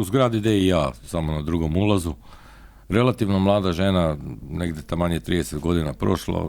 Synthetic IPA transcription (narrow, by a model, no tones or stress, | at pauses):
uzɡɾaːd̪id̪eijaːsamonad̪ɾuɡo̞mulˠazu | ɾe̞lˠat̪iːʋnomlˠaːd̪aʒeːnaneɡd̪jet̪amaɲet̪ɾiːd̪eset̪ɡo̞d̪inapɾo̞ʃla̰